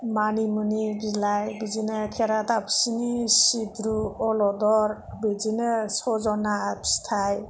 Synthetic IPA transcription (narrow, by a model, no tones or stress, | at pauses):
manimɯniɡilajbizinɯkʰɛɾatapʰi̥sinisibɾuɔlɔdɔɾbɯzinɯsɔzɔnapst̪ʰaj